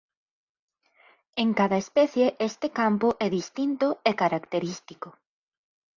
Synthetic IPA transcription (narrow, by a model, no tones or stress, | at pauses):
eŋkaðɐespɛθjeʔest̪ekampoʔɛðist̪int̪ʊekaɾakt̪eɾist̪iko